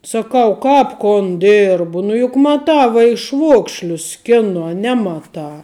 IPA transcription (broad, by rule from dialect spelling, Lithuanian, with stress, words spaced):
sɐˈkɐʊ ˈkɑːp koːn ˈdʲeːrbʊ nʊ jʊk mɐˈtɑː ʋɐɪʃˈʋuɔkʃʲlʲʊs ˈsʲkʲæːnoː ɐ ˈnʲæːmɐtɑː